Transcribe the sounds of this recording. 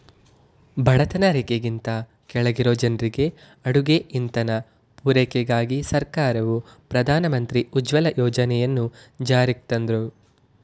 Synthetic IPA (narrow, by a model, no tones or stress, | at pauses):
bʱɐɭɐt̪ɐnɐɾekeɡint̪ɐ | kɛɭɐɡiɾoːd͡ʒɐnɾiɡe̞ | ɐɽuɡeʔint̪ɐnɐ | puːɾekɛɡaːɡisɐɾkaːɾɐʋupɾɐd̪ʱaːnɐmɐnt̪ɾiud͡ʒʋɐlɐjɔːd͡ʒɐnɛjɐnːud͡ʒaːɾik̚t̪ɐnd̪ɐɾu